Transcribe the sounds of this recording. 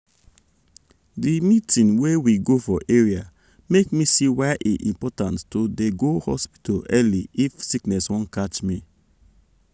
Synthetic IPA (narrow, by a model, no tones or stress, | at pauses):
dimitĩnwewiɡofɔʔeɹia | mekmisiwajʔiʔḭ̃mpɔtãnttodeɡohɔspi̥tɔlɛliifsiknɛswɔ̃nkat͡ʃmi